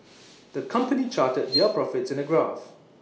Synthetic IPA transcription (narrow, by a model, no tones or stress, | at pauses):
d̪̥əkʰʌ̃mpənit͡ʃaːtəd̚dɛpʰɹɔfɪtsɪ̃nəɡɹaf